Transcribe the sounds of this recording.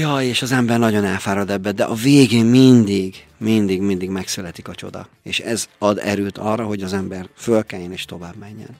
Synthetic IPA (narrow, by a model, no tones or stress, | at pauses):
jɒeːʃɒzɛmbɛrnɒɟo̞nɛlfaːɾɒd̪ɛbːɛd̪ɛʔɒveːɡeːmmind̪iɡ | mind̪iɡmind̪iɡmɛksylɛt̪ikɒt͡ʃo̞̰d̪ɒ̰ | ḛːʃɛ̰zɒd̪ɛ̰ɾøːt̪ʰɒrːɒɦo̞ɟɒzɛmbɛrfølkɛjɛneːʃt̪o̞vaːbmɛɲːɛ̰n